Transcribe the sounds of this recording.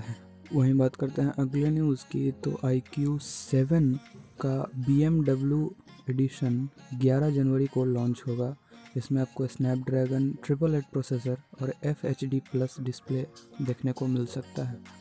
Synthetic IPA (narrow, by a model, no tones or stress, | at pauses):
ɦɛ | ʋɐɦĩbaːt̪kɐɾt̪eɦɛ̃ʔɐɡlenjuːzkit̪o̰ʔaːikjuːsɛːʋənkabiːemɖɐbljueːɖɪʃənɡjaːɾad͡ʒɐnʋəɾikolɔ̃ːɲt͡ʃɦoːɡaːd͡ʒɪsmẽaːp̚kosnɛːp̚ɖɾɛːɡənʈɾɪp̬əleːʈ̚pɾoːseːs̬əɾɔːɾɛfʰeːt͡ʃɖiplɐsɖɪspled̪eːkʰnekomɪlsɐk̚t̪aɦɛː